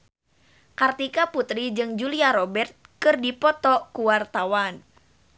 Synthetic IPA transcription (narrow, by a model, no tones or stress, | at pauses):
kart̪ikaput̪ɾid͡ʒɨŋd͡ʒuliaɾɔbɛrt̪̚kɨrdipɔt̪ɔkuwart̪awan